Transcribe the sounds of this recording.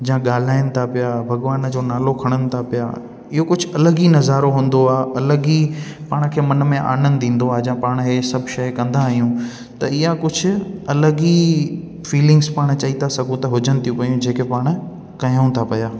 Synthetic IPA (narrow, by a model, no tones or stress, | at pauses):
d͡ʑãɠaːl̤aːɪnɪ̆t̪ʰapɪjabʱɐɠʋaːnd͡ʑoːnaːlokʰɐɽ̃ənɪ̆t̪ʰapɪja̰ː | ɪɦokʊd͡ʑʱʊ̆ɐləɡinɐzaːɾoɦũːn̆d̪oaːɐləɡi | paːɽ̃kʰeːmɐn̆mẽʔa̰ːnə̃nd̪ĩːn̆d̪oaːɦd͡ʑɐãpaːɽ̃ɦeːsɐbʱʃɐjkɐ̃nd̪aːɦijũ | t̪ɐɪɦjakʊd͡ʑʱʊ̆ɐləɡi | fiːlɪ̃ŋɡspaːɽ̃t͡ɕɐit̪ʰasɐɡʱũt̪ɐɦʊd͡ʑənɪ̆t̪ʰijũpɐijũd͡ʑeːkepaːɽ̃ | kɐɦjə̃ũt̪ʰapɐjaː